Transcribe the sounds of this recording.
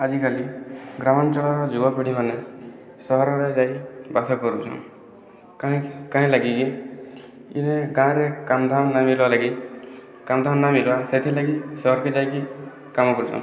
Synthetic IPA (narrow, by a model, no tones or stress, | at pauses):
ad͡ʒikaliɡɾamɔnt͡ʃɔɭaɾɔd͡ʒubapiɽimane | sɔɦɔɾɔɾed͡ʒajbasɔkɔɾut͡ʃʰɔ̰̃ | kaɦĩkãɦĩlaɡiki | ḭneɡãɾekamd̪ʱamnamilwalaɡi | kamd̪ʱamnamilwaset̪ʰilaɡisɔɦɔɾked͡ʒajki | kamɔkɔɾut͡ʃʰɔ̰̃